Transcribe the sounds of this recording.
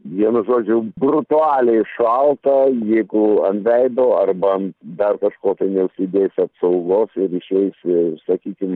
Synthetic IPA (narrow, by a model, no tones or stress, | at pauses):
ʋʲiɛnʊʒoːd͡ʒʲʊɡrʊt̪ʊɑːlʲeɪʃɐlˠt̪ɐjɛɪɡʊɐnt̪ʋʲɛɪd̪oːɐrbɐɐnd̪ɐrkɐʃkoːt̪ɐɪnʲɛʊʃʲsʲɪd̪ʲeːsʲɐpsɐʊɡoːsɪɾɪʃʲɛɪsʲsɐkʲiːkʲɪm